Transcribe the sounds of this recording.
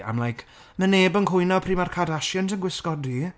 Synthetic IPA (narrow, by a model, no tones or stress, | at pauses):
a̰mlˠajkʰ | məneːbənkʰʊjnɔpʰriːmarkʰadaʃjənt̬ənɡwɪskɔdi